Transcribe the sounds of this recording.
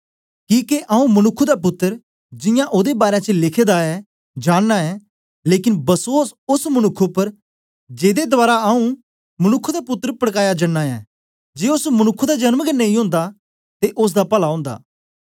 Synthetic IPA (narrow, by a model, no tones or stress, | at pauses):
kiːkeʔaũmɐnʊkʰːud̪ap̬ʊt̪ːəɾ | d͡ʒɪjãʔod̪ebaːɾejãt͡ʃəlɪkʰed̪aɛ | d͡ʒaːɽnaɛ | leːkɪnbɐsoːsʊsmɐnʊkʰːopɐɾ | d͡ʒeːd̪ed̪ʊaːɾaɐũ | mɐnʊkʰːud̪apʊt̪ːəɾəpəɽkaːjad͡ʒɐnːaɛ̰ː | d͡ʒeːʊsmɐnʊkʰːud̪ad͡ʒɐnməɡənːɐ̃ĩõːnd̪a | t̪eʔʊs̬d̪apɐlaõːnd̪a̰ː